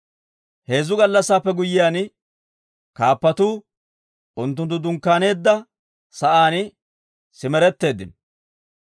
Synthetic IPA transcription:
he̞ːzːʊɡɐlːɐsːaːpːɛɡʊjɪjaːn | kaːpːɐt̪uː | ʊnt̪̬ːʊnt̪̬ːʊd̪ʊŋkːaːne̞ːd̪ːɐ | sɐʔaːn | sɪmɛɾɛt̪ːe̞ːd̪ːɪn

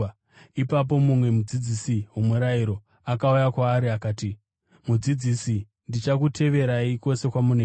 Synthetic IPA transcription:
ipap̬o̞mumwe̞mud͡zid͡zisiɦumuɾaiɾo̞ | akaujakwaːɾiakaːti | mud͡zid͡zisi | ndit͡ʃak̬utʰe̞ʋe̞ɾaiko̞se̞kwamune

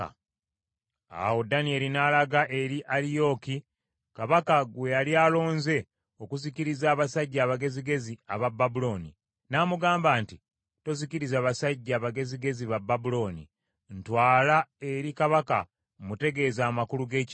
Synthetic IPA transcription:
a̰wo̞danie̞linaːlaɡaʔe̞ɾiʔalijo̞ki | kaβakaɡwe̞jaliaːlo̞ːnze̞ | o̞kuziciɾizaːβasaɟːaːβaɡe̞ziɡe̞ziaβabːabulo̞ːni | namuɡaːmbaːnti | to̞ziciɾizaːβasaɟːaːβaɡe̞ziɡe̞ziβabːabulo̞ːnḭ | ntwaːlae̞ɾikaβaka̰ | mute̞ɡe̞ːzaːmakuluɡe̞ːci

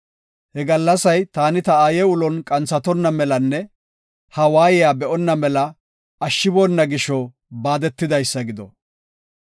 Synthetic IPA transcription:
hɛɡɐlːɐsɐjt̪aːnɪt̪ɐaːjɛʊlɔnkʼɐnt͡sɐt̪ɔnːɐmɛlɐnːɛ | hɐwaːjɪjaːbɛʔɔnːɐmɛlɐ | ɐʃːɪbɔnːɐɡɪʃːɔ | baːd̪ɛt̪ːɪd̪ɐjsːɐɡɪd̪ɔ̰

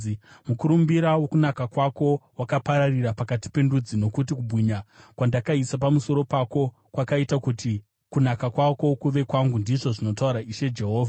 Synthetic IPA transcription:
mukuɾumbiɾawo̞kunakakwako̞wakapaɾarirapakati̥pe̞ndud͡zino̞kut̬ikubʱwiɲakwandakaisapamuso̞ɾo̞pako̞ | kwakaitakuti | kunakakwako̞kuʋe̞kwaŋɡundiʐo̞ʐino̞tauɾaʔiʃe̞d͡ʒe̞ɦo̞ːvʱa

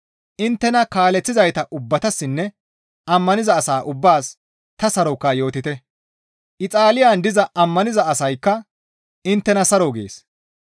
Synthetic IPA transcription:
ʔɪnt̪ːɛnɐkaːlɛt͡sːɪzɐjt̪ɐʔʊbːɐt̪ɐsːɪnːɛ | ʔɐmːɐnɪzɐːsaːʔʊbːaːs | t̪ɐsɐɾɔkːɐjo̞ːt̪ɪt̪ɛ | ʔɪt͡sʼaːlɪjaːnd̪ɪzɐɐmːɐnɪzɐɐsɐjkːɐ | ɪnt̪ːɛnɐsɐɾɔɡḛːs

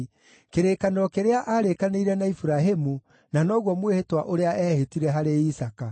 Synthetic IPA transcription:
keɾekanɾɔkeɾeaʔaɾekaneiɾɛnaifuɾaɦemu | nanɔːɣwɔmwehetwaʔoɾeaʔɛːhetiɾɛɦaɾeisaka

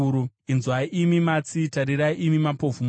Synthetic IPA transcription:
ɾuinzwaiʔimimat͡sitaɾiɾaiʔimimapo̞vum

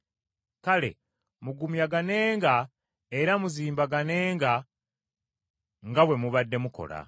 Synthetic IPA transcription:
kale̞̰ | muɡumjaɡane̞ːŋɡa | e̞ɾamuziːmbaɡane̞ːŋɡa | ŋɡawe̞muβadːe̞muko̞̰la̰

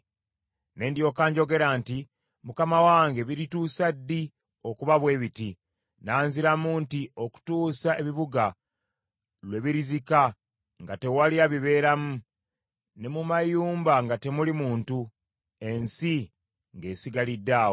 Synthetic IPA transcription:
ne̞ːndjo̞ːkaːɲɟo̞ɡe̞ɾaːnti | mukamawaːŋɡe̞βiɾituːsadːi | o̞kuβaβwe̞ːβiti | naːnziɾamuntio̞ku̥tuːsae̞βiβuɡa | lwe̞βiɾizika | ŋɡate̞waliaβiβe̞ːɾamu | ne̞mumajuːmbaŋɡate̞mulimuːntu | e̞nsi | ŋɡe̞ːsiɡalidːaːwo

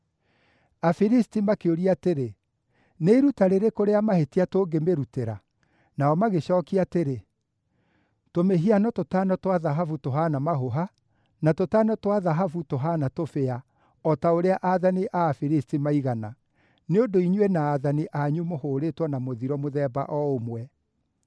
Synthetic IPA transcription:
afiɾistimakeoɾiateɾe | neiɾutaɾeɾekoɾeamahetiatoːŋɡemeɾuteɾa̰ | naɔmaɣeɕɔːkiateɾe | tomeɦianɔtotanɔtwaðaɦafutoɦanamaɦoɦa | natotanɔtwaðaɦafutoɦanatofea | ɔtaoɾeaʔaðaniʔafiɾistimaiɣana | neondoiɲwɛnaːðaniʔaɲumohoːɾetwɔnamoðiɾɔmoðɛba̰ʔɔomwɛ

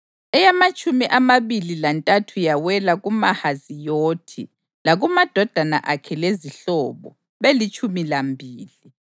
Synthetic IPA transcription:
ɛjamat͡ʃʼumiʔamaβililantʼatʰujawɛlaɣumahazijoːtʰḭ | laɣumad̥ʱɔd̥ʱana̰ʔakʰɛleziɬɔβɔ | βelit͡ʃʼumilambʱiːli

